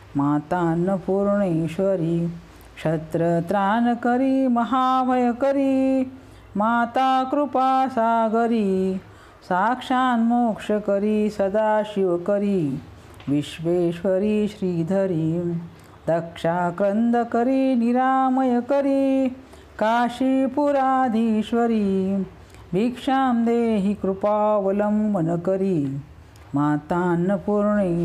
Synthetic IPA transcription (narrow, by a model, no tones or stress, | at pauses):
maːt̪aːnːɐpuːɾɳeːʃʋɐɾi | kʂɐt̪ɾɐt̪ɾaːnɐkɐɾimɐɦaːbʱɐjɐkɐɾi | maːt̪aːkɾupaːsaːɡɐɾi | saːkʂaːnmoːkʂɐkɐɾisɐd̪aːʃiʋɐkɐɾi | ʋiʃʋeːʃʋɐɾiʃɾiːd̪ʱɐɾi | d̪ɐkʂaːkɾɐnd̪ɐkɐɾiniɾaːmɐjɐkɐɾi | kaːʃipuɾaːd̪ʱiːʃʋɐɾi | bʱikʂaːmd̪eːɦikɾupaːʋɐlɐmbɐnɐkɐɾi | maːt̪aːnːɐpuɾɳi